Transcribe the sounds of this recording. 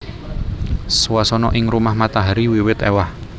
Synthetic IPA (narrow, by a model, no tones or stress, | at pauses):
swasɔnɔʔɪŋrumahmat̪aɦaɾiwiwɪt̪ḛwah